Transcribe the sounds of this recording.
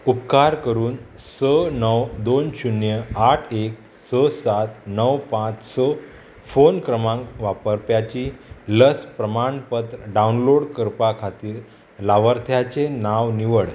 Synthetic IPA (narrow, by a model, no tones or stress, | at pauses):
upkaɾkəɾuːn | sənəwd̪onɕunjəaʈʰek̚ | səsat̪nəwpãt͡ssɔ | fonkɾəmãŋkʋapəɾpjat͡ɕiːləspɾəmaɳpət̪ɾəɖaunloɽkəɾpakʰat̪iːɾ | laʋəɾt̪ʰjat͡senaʋniʋəɽ